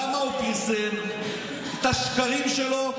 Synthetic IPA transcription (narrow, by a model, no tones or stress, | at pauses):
amaupizen | et̪aʃkaʁimʃelo